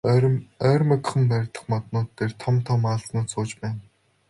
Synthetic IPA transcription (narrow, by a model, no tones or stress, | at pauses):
œːrʲmœk̆ʲχə̆mpæɾʲt̪ə̥̆χmɔt̪nʊːt̪ːeːrt̪ʰɔmt̪ʰɔːmaːɮsnʊːt͡sʰʊːt͡ɕpæːn